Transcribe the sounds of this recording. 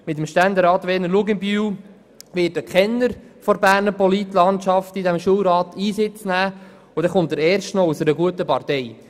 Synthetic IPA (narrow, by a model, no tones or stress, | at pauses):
mɪt̬əmʃtænd̪eɾɑːt̪ʋɛːnəɾluɡɪnbyːw | ʋɪːtəkχɛnːəɾfɔɾbæːrnəɾpɔlit̪lɑntʃɑftidɛmʃuəwɾɑːt̪iːsɪt͡snæː | ʊdɛχʊnt̪əɾɛːɾʃtnɔusəɾəɡuətəpɑɾtɛj